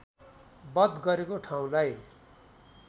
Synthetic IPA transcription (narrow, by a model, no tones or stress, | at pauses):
bʌd̪ɡʌɾekoʈʰaw̃laj